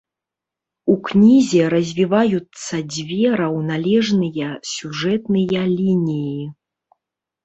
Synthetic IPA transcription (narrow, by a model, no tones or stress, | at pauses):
uknʲizʲɛɾɐzʲvʲivajut̪sːɐd͡zʲvʲɛɾɐwnalʲɛʐnɨjɐsʲuʐɛt̪nɨjɐlʲinʲiji